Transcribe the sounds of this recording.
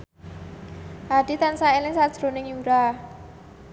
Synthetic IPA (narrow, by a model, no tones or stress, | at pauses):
ʔad̥it̪ansaelɪŋsad̥ʒ̥ɾo̤nɪŋjuɾa